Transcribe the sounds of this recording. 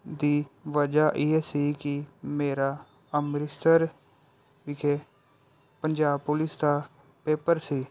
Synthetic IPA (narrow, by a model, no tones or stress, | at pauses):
d̪iːʋəd͡ʒaːʔɪɛːsiːkɪmeːɾaː | əmɾɪst̪əɾ | ʋɪkʰeː | pəɲd͡ʒaːb̚pʊlɪsd̪aː | peːpəɾsiː